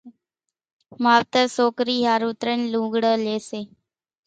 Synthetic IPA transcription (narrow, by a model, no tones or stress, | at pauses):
maːʋt̪əɾsoːkɾiːɦaːɾuːt̪ɾənlũːɡɽəːleːseː